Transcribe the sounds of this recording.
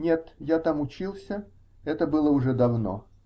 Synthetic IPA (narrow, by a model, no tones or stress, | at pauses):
nʲe̞t̪jat̪amʊt͡ɕilˠsʲə | ɛt̪əbɨlˠəʊʐɛd̪ɐvno̰